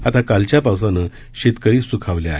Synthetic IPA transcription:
at̪akalt͡ɕjapawsanə | ɕet̪kəɾiːsukʰaʋljaaːɦe

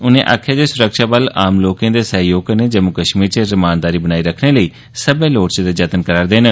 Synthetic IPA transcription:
ʊnḛ̃ːʔa̰ːkʰjaːd͡ʒeːsʊɾəkʃaːbəlaːmloːkãːd̪eːsəɦjoːɡaneːd͡ʒəmʊkəʃmiːɾt͡ʃəzəmaːnd̪aːɾiːbənaːiːɾəkʰneːləiː | səbẽːloːʈt͡ʃəd̪eːd͡ʒət̪ənkəɾaːɾd̪eːnə

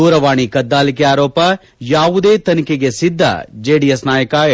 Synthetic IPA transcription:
uːɾɐʋaːɳikɐd̪ːaːlik̬eaːɾɔːpɐ | jaːʋud̪eːt̪ɐnikeɡe̞sid̪ʱːɐ̰d͡ʒeːɖijesnaːjɐkaː

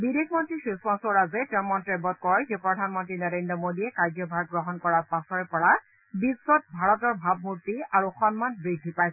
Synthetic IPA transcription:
bidexmɔntɹisuspãsɔɹazɛtɛmɔntɹebɔt̚kɔɹxepɹɔdʱanmɔntɹinɔɹendɹɔmodiɛkaɹzɔbʱaɡ̚ɡɹɔɦɔnkɔɹapasɔɹɛpɔɹa | bisːɔt̚bʱaɹɔtɔɹbʱab̚muɹtiaɹuxɔnmanbɹidʱːipajsɛ

